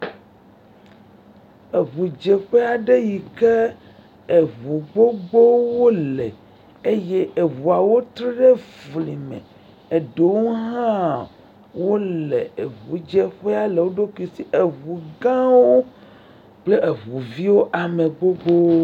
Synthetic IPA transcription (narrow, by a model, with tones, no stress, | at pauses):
e˨βu˨d͡ʒe˨ɸe˦a˨ɖe˦ji˨ke˦ | e˨βu˨ɡ͡bo˦ɡ͡bo˦wo˦le˨ | e˦je˦e˨βu˨a˨wo˦t̪ɾe˦ɖe˦vli˨mḛ̃˨ | e˨ɖo˨˦wo˦ɦã˦ | wo˦lḛ˨e˨βu˨d͡ʒe˦ɸe˦a˦le˨wo˦ɖo˦ki˨si˦ʔe˨βu˨ɡã˦wo˦ | k͡ple˦ʔe˨βu˨vi˦wo˦ʔa˨me˨ɡ͡bo˦ɡ͡bo˦